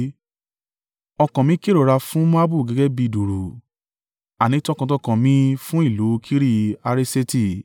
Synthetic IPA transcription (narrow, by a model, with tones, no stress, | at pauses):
ɔ˧kã˨mĩ˨˦ke˦ɾo˨ɾa˧fũ˦mũ˦a˦bu˦˨ɡɛ˨˦ɡɛ˦bi˧˨du˨ɾo˨ | a˨nĩ˨˦ti˦ɔ˦˧kã˧tɔ˦˧kã˨mĩ˧˦fũ˦i˦˨lo˨˦kʰi˦ɾi˧a˧ɾe˦se˦ti˦˨